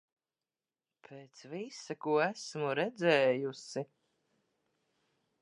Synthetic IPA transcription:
pʰeːt̪svisakuɔæsmuɾɛd̪zɛːjusi

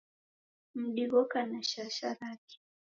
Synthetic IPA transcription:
m̩ɗiɣɔkanaʃaʃaɾati̥

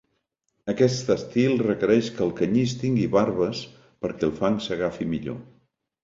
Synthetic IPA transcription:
əkɛst̪əst̪ilˠrəkəɾɛʃkəlˠkəɲist̪iŋɡiβaɾβəs | pəɾkɛlˠfaŋsəɣafimiʎo̰

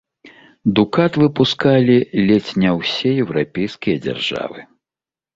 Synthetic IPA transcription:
d̪ukat̪vɨpuskalʲilʲɛt͡sʲnʲɛwsʲɛjɛwɾapʲejskʲijɐd͡zʲa̰rʐa̰vɨ

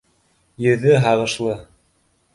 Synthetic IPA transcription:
jɘ̆ðɘɦɑʁɤ̆ʃlˠɤ

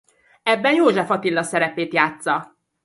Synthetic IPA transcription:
ɛbːɛnjoːʒɛfɒt̪ilːɒsɛɾɛpeːt̪jaːt̪sɒ

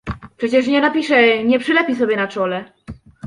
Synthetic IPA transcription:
pʂɛt͡ɕɛʂ̬ɲɛnapʲiʂɛɲɛpʂɨlɛpʲis̬ɔbʲjɛnat͡ʂɔlɛ

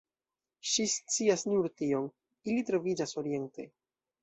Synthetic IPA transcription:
ʃist͡siasnuɾtio̞n | ilitɾo̞vid͡ʒaso̞ɾie̞nte̞

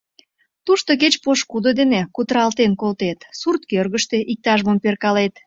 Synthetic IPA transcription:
t̪uʃt̪ok̬et͡ɕpoʃkud̪od̪enekut̪ɾɑlt̪enkolt̪et̪surt̪kørɣəʃt̪eʔik̚t̪ɑʒməmperkɑlet̪

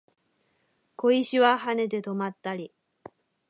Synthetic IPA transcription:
ko̞iɕiβaɦane̞t̪e̞t̪o̞mat̪ːaɾʲi

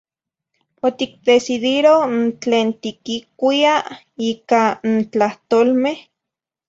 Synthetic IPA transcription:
ot̪ik̚d̪esiðiɾont͡ɬeːnt̪ikikʷia | iːkant͡ɬaht̪oːlmeh

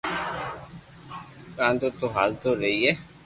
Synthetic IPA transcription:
kãːnt̪ot̪oɦaːlt̪oːɾəiːɛː

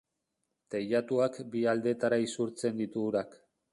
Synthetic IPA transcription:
t̪eʎat̪uakbiald̪e̞t̪aɾaisuɾt͡se̞nd̪it̪uɾak

